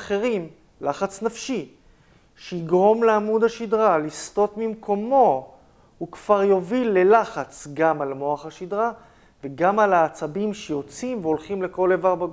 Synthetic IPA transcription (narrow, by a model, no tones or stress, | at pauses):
χeʁim | laχat͡snafʃi | ʃeiɡʁo̞mleamudhaʃid̪ʁalist̪o̞tmimko̞mo̞ | hukv̥aʁjo̞vilːe̞laχat͡sɡamalmo̞aχaʃid̪ʁa | veɡamalaːt͡sabimʃejo̞t͡simveolχimle̞ko̞levaʁbaɡ